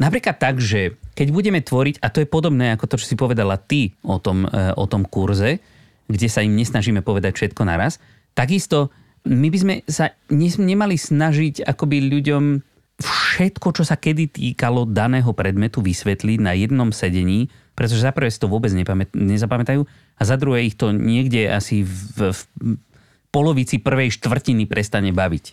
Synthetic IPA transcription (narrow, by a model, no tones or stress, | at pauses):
napɾiːklat̪ːaɡʒɛkɛɟbuɟɛmɛt̪ʋɔɾiɟat̪ɔjɛpɔd̪ɔbnɛːakɔt̪ɔt͡ʃɔ̥sipɔʋɛd̪alat̪iɔt̪ɔmɔ̰t̪ɔmkuɾzɛ | ɡɟɛsaimɲɛsnaʒiːmɛpɔʋɛd̪acfʃɛt̪kɔna̰ɾas | t̪aɡist̪ɔ | mibizmɛsaɲɛzɲɛmalisnaʒiɟa̰kɔbiʎuɟɔm | fʃɛt̪kɔt͡ʃɔsakɛd̪it̪iːkalɔd̪anɛːɦɔpɾɛd̪mɛt̪uʋisʋɛt̪liɟnajɛd̪nɔmsɛɟɛɲiː | pɾɛt̪ɔʒɛzapr̩ʋɛːsi̥t̪ɔʋʊɔbɛd͡zɲɛpamɛt̪ɲɛzapamɛt̪ajuː | azad̪ɾuɦɛixt̪ɔɲɪɛɡɟɛa̰sif | pɔlɔʋit͡sipr̩ʋɛjʃt̪ʋr̩cinipɾʔɛst̪aɲɛbaʋic